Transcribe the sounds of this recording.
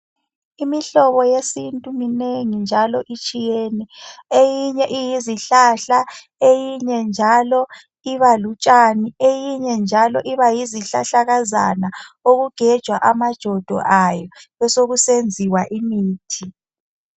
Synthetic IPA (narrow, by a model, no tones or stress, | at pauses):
imiɬɔβɔjesintʼumineŋind͡ʒʱalɔʔit͡ʃʼijenɛejiɲɛʔijiziɬaɬa | ejiɲɛnd͡ʒʱalɔ | iβalut͡ʃʼaniejiɲɛnd͡ʒʱalɔʔiβajiziɬaɬaɣaza̰naoɣuɡ̥ʱɛd̥ʒ̥ʱwaʔamad̥ʒ̥ʱɔd̥ʱɔ̰ʔajɔβɛsoɣusend͡zʱiwaʔimiːtʰi